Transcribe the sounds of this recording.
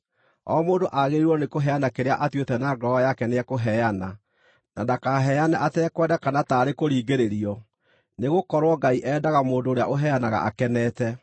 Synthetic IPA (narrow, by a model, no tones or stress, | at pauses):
ɔmoːdoʔaɣeɾiɾwɔnekoɦɛjanakeɾea̰ʔatwetɛnaɡɾɔɔjakɛneɛkoɦɛjana | nadakaɦɛjanaʔatɛkwɛːdakanataːɾekoɾiːɡeɾeɾiɔ | neɣokɔɾwɔɡaiʔɛːdaɣamoːndoːɾeaʔoɦɛanaɣa̰ʔa̰kɛnɛːtɛ